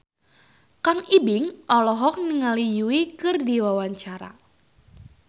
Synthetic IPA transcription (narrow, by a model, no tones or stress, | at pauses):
kaŋibɪŋʔɔlɔɦɔk̚niŋalijuwikɨrdiwawaɲt͡ʃaɾa̰